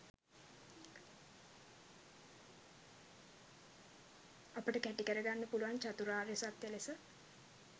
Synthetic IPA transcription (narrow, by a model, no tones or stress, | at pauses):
apəʈəkæʈikəɾəɡanːəpuluʋant͡ʃat̪uɾaːɾjosat̪ːjelesə